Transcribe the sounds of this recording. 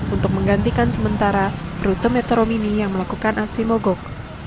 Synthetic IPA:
unt̪ʊk̚məŋɡant̪ikansəmənt̪aɾaɾut̪əmet̪ɾominijaŋməlakukanʔaksimoɡɔk̚

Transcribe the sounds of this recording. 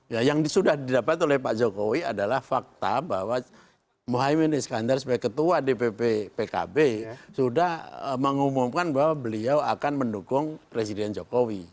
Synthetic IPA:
jajaŋsudahdidapat̪olɛhpad͡ʒokowiadalahfak̚t̪a̰bawa | moɦaimɛnɛsə̥kandarsu̥paɡakət̪uadepepepeka̰besudahəməŋumumkanbaɦwabəliawakanməndukʊŋpɾes̬idɛnd͡ʒokowi

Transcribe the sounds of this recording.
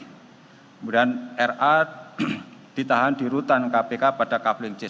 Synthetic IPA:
kmudanɛrʔa | d̥it̪aɦandiɾut̪ankapekapad̥akaplɪŋt͡ʃɪ

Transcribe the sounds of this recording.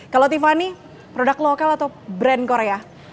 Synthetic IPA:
kalot̪ifani | pɾodaklokalat̪awbɾɛnkoɾea

